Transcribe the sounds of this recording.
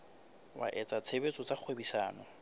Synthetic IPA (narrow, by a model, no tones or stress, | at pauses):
wa̰ʔɛt͡sʼat͡sʰebet͡sʼɔt͡sʼaq͡χʰwebisaːnɔ